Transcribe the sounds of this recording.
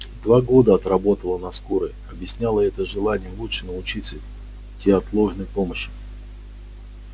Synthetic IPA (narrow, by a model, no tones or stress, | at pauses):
d̪vaɡo̞d̪əɐt̪ɾɐbo̞t̪əlˠənɐskuɾɨ | ɐbjɪsʲnʲalˠəɛt̪əʐɨlˠanʲɪjəlˠutʂɨnəʊt͡ɕit̪sə | tʲːeɐt̪lˠo̞ʐnəjpo̞məɕːɪ̥